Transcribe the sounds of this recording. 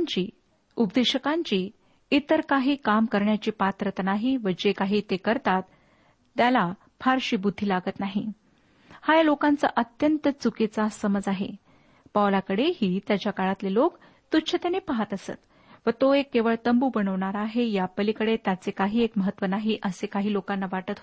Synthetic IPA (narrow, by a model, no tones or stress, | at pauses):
ɲt͡ɕiː | ubd̪eɕəkaɲt͡ɕiː | it̪əɾkaɦiːkamkəɾɳjat͡ɕiːpat̪ɾət̪naɦiʋəd͡ʑekaɦiːt̪ekəɾt̪at̪ː | jala | fʰaɾɕiːbud̪ʱːiːlaɡət̪naɦi | hajalokãnt͡sa̰ʔət̪jənt̪ət͡suket͡sasəməd͡zaɦḛ | paʋlakəɽehiːt̪jat͡ɕjakaɭat̪lelok | t̪utt͡ɕʰət̪enepaɦat̪əsə̰t̪ | ʋət̪oekːeʋəɭt̪əmbuːbəɳəʋɳaɾaɦejapəlikəɽet̪jat͡sekaɦiːekməɦət̪ːʋənaɦiʔəsekaɦiːlokãnːaʋaʈət̪